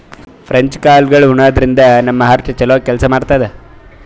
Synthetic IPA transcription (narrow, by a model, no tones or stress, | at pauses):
pʰɾɐɲt͡ʃkaːlɡɐɭuɳaːd̪ɾind̪ɐnɐmːɐɦɐɾt͡ʃɐt͡ʃɐlʋɐːkɛlsɐmaːɖt̪aːjd̪e